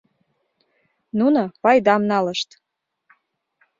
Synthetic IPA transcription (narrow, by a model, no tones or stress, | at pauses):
nunopɑjd̪ɑmnɑləʃt̪